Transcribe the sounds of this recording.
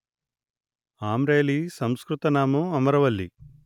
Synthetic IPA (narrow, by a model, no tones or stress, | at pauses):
aːmɾeːlisɐmskɾut̪ɐnaːmuɐmɐɾɐʋɐlːḭ